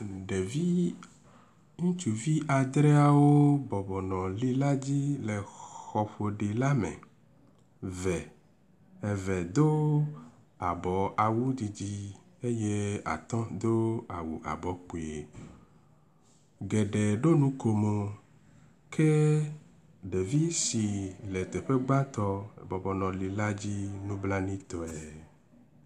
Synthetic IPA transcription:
ɖe˨vi˦ | ŋũ˦t͡ʃu˨vi˦ʔa˨d̪ɾɛ˦a˦wo˦bɔ˨bɔ˨nɔ̃˨li˦la˦d͡ʑi˦le˨xɔ˨ɸo˨ɖi˨la˦mḛ̃˨ | vɛ˨ | ɛ˨vɛ˨d̪o˦ | a˨bɔ˨a˨wu˦d͡ʑi˨d͡ʑi˦ | e˦je˦a̰˨t̪ɔ̃˦d̪o˦a˨wu˨ʔa̰˨bɔ˨˦k͡pu˨e˨ | ɡe˨ɖe˨ɖo˦nũ˦ko˨mo˨ | kʰe˦ | ɖe˨vi˦si˨le˨t̪e˨ɸe˦ɡ͡ba˦t̪ɔ˦ḛ˨bɔ˨bɔ˨nɔ̃˨li˨la˦d͡ʑi˦nũ˦bla˦nĩ˦t̪ɔ˨ɛ˨

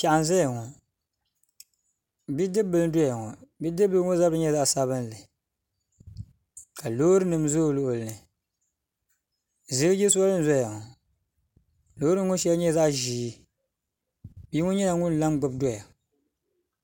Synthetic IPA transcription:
ka˨ʔa˨nza˦ja˨ŋɔ˨ | bi˦dɨ˦bɨ˦ldɔ˦ja˨ŋɔ˨bi˦dɨ˦bɨ˦ŋo˦za˦lbɨ˦ɲɛ˦za˦ʔsa˦βɨ˦n˨lɨ˨ | ka˨lo˦ɾɨ˦nɨ˨mzoː˦˨lo˦ʔʊ˨lɨ˨nɨ˨ | zɨ˦ɡɨ˦d͡ʒɛ˦su˦a˦lɨ˦n̩˦zɔ˦ja˨ŋɔ˨ | lo˦ɾɨ˦ŋʊ˦n˦ʃɛ˦lɲɛ˦za˦ʔʒiː˨˦ | bi˦ŋɔ˦ɲɛ˦na˨ŋʊ˦n˨la˦mɡ͡bʊ˨bdɔ˦ja˨

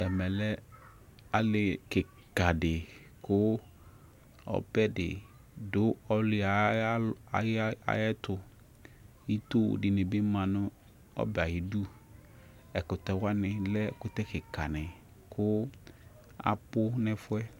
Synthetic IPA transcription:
ɛ˨mɛ̃˨lɛ˦ | a˦lɪ˨kɪ˨ | ka˨dɪ˨ | kʰʊ˦ | ɔ̰˦bɛ˦dɪ̰˨ | dʊ˦ɔ˦lɪ˨˦a˨˦ | a˨˦a̰˦jɛ˦tʊ˨ | ji˦to˦w̰dɪ˨nɪ̃˨bɪ˦mã˨nʊ̃˦ | ɔ̰˦bɛ˨a˨jɪ˨du˦ | ɛ˨kʊ˨t̪ɛ˨wa˦nɪ̃˨lɛ˦kʊ˦t̪ɛ˦kɪ˨ka˨nɪ̃˨ | kʰʊ˦ | a̰˨pʊ˦nɪ̃˦fʊ˦ɛ˦

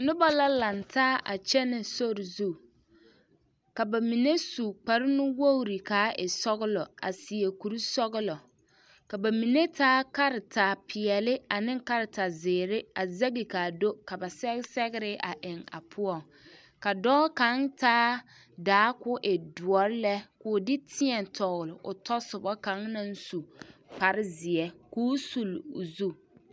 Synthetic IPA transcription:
nʊ˦ba˦la˦lã˨ntʰaː˦a̰˨t͡ʃɛ˦nɪ˨so˦ɾɪ˨zu˦˨ | ka˨ba˨mi˨ne˦su˨k͡pa˨ɾɪ˦nʊ̃˦wo˦u˦˨ɾi˨kaː˨˦ʔɛ˨sɔ˦ɣɪ˦lɔ˨a̰˨si˨e˨ku˨ɾi˦sɔ˦ɣɪ˦lɔ˨ | ka˨ba˨mi˨ne˦tʰaː˦ka˦ɾɪ˨ta˨pʰɪ˨ɛ˨lɪ˦a˨nɪ̃˦ŋ˦ka˦ɾɪ˨ta˨zɪː˨ɾɪ˦a˨za˦ɡi˨ka˨do˦ka˨ba˨sɛ˦ɣsɛ˦ɣɪ˦ɾɪ˦ʔa˨ʔɪ˨ŋa̰˨pʰʊ˦ɔ˦˨ŋ | ka˨dɔː˦ka˨˦ŋtaː˦ | daː˨˦kʊ˦ʔɪ˨dʊ˨ɔ˨ɾɪ˦lɛ˦kʊ˨˦dɪ˦tʰɪ˦ɛ˨ntʰɔ˨ɣʊ˨lɪ˨ʔʊ˨tɔ˦sʊ˨bɔ˦ka˨˦ŋna˦n̩˦su˨pa˨ɾɪ˦zɪ˨ɛ˦kuː˦su˨lʊ˨zu˦

